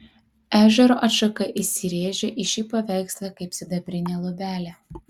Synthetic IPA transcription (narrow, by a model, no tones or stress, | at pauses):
æːʒʲɛɾoːʔɐt̪ʃɐkɐʔɪsʲɪɾʲeːʒʲɛʔɪʃʲiːpɐʋʲæˑɪkslˠɐkɐɪpsʲɪd̪ɐbʲɾʲɪnʲeːlˠɔbʲæːlʲɛ